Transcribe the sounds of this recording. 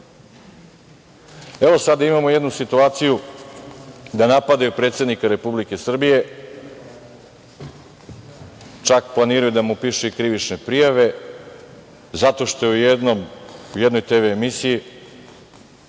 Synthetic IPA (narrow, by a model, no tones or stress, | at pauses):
e̞ʋo̞sad̪aimamoje̞d̪nusit̪uaːt̪siju | d̪anapad̪ajupɾet̪se̞d̪nikaɾe̞publike̞sr̩bije̞ | t͡ʃakplˠaniːɾajud̪amupiʃuikɾiʋit͡ʃne̞pɾijaʋe̞ | zat̪o̞ʃt̪o̞jeujed̪nomujed̪nojt̪e̞ːʋeːmisiji